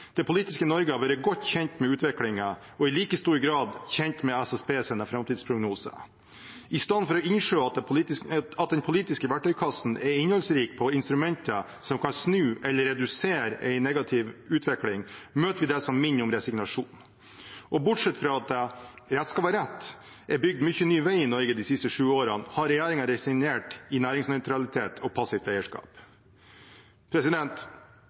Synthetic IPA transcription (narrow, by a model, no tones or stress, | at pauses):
d̪̥ɛpʰʊliːt̪ɪskənɔɾɡəɑʋɑːɾəɡɔt̪ːçɛnt̪mɛʉːt̪ʋɪklɪŋə | ɔɪliːkəst̪uːɾɡɾɑːd̪çɛnt̪mɛæsɛspeːsɛnəfɾɑmt̪id̪spʰɾʊɡnuːsə̰ | ʔɪst̪ɑnfɔɾɔɪnʂøːɑt̪ː | ɑt̪̚d̪ɛnpʰʊliːt̪ɪskəʋæʈːœʏkʰɑsn̩ɛɾɪnhɔlsɾiːk̚pʰɔɪnst̪ɾʉmɛnt̪ə | sɔmkʰɑnsnʉːʔɛlːəɾɛd̪ʉseːɾʔɛɪnɛɡɑt̪ʰɪʋʉːt̪ʋɛklɪŋmøːt̪əʋɪd̪ɛsɔmːɪnːɪʊmɾɛsɪɡnɑʂuːn | ʔɔbʊʈʂɛt̪fɾɑɑt̪̚d̪ɛ | ɾɛt̪skɑːpɑɾɛt̪ː | ʔɛɾbʏɡ̚d̪mʏçːənyːʋæɪɪnɔɾɡəd̪isɪst̪əʂʉːoːɾɑnhɑɾɛjæːɾɪŋɑɾɛsɪŋneːʈɪnæːɾɪŋsnœʏt̪ʰɾɑlɪt̪ʰeːt̪ʰɔpʰɑsɪft̪æɪəʂkɑ̰ːp | pʰɾɛsɪd̪ɛnt̪